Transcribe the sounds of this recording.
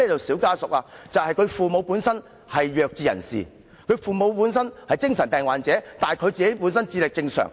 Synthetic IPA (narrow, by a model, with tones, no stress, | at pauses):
ɛː˥t͡sɐ˨wsiː˨˥wkaː˥sʊ˨k̚laː˧t͡sɐ˨whɐ˨jkʰɵ˨˧ɥfuː˨mo˨˧wpuː˨˥nsɐ˥n | hɐ˨jːœː˨k̚t͡siː˨jɐ̰˨˩nsḭː˨˩ | kʰɵ˨˧ɥfuː˨˩mo˨˧wpuː˨˥nsɐ˥nhɐ˨jt͡sɪ˥ŋsɐ˨˩npɛː˨ŋwaː˨nt͡sɛː˨˥t̪aː˨kʰɵ˨˧ɥt͡siː˨ke˨˥jpuː˨˥nsɐ˥nt͡siː˧lɪ˨k̚t͡sɪ˧ŋsœ̰ː˨˩ŋ